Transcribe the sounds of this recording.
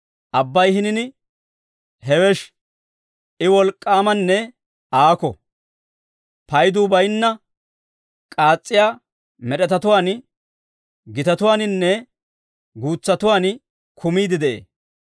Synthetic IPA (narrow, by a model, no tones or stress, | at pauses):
ʔɐbːɐjhɪnɪnɪ | hɛwɛʃ | ʔɪwɔlkʼːaːmɐnːɛ | ʔaːkɔ̰ | pɐjd̪uːbɐjnːɐ | kʼaːt͡sʼːɪjaː | mɛɗɛt̪ɐt̪ʊwaːn | ɡɪt̪ɐt̪ʊwaːnɪnːɛ | ɡuːt͡sːɐt̪ʊwaːn | kʰʊmiːd̪ɪd̪ɛʔḛː